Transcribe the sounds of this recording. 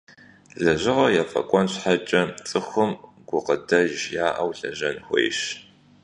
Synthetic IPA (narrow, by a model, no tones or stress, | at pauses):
ɮɐʑɪʁɐjɛfɐ̰kʷʼɔnɕħat͡ʃʼɐt͡sʼɨxʷʊm | ɡ̥ʷʊqədɐʒjaːʔɐwɬɐʒɐnxʷḛjɕ